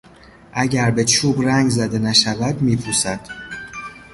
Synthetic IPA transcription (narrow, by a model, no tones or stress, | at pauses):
ʔæɟæɾbe̞t͡ʃʰuːbɾæŋɡzæd̪e̞næʃævæd̪miːpʰuːsæd̪̥